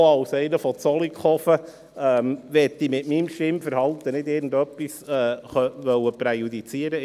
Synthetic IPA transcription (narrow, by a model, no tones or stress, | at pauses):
ɑʊsɛɪnəfɔt͡sɔlikχɔfə | ɛːmʋɛt̪ːimɪtmimʃɪmfəɾhɑlt̪ənɪd̪ɪːɾɡn̩d̪œpːisɛːχœʋœwəpɾɛjud̪it͡siəɾə